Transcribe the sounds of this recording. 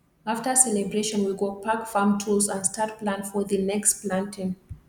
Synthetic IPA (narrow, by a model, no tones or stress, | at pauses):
aftəsɛlɛbɹeʃɔ̃nwiɡopʰakfamtʰulˠzãnstat̚plãnfɔðənɛksplãntɪ̃n